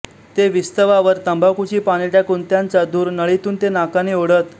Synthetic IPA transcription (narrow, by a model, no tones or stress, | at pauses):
t̪eʋist̪əʋaʋəɾt̪əmbʱakut͡ɕiːpaɽ̃iʈakuːnt̪jant͡sad̪uːɾnəɭit̪uːnt̪enakaneoɽət̪